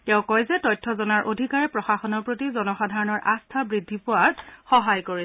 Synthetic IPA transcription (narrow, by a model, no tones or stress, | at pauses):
tɛʊ̃kɔjzɛtɔjtʰːɔzɔnaɹʔodʱikaɹɛpɹɔxaxɔnɔɹpɹotizɔnɔxadʱaɹɔnɔɹʔastʰabɹidʱːipʊwaɹxɔɦajkoɹi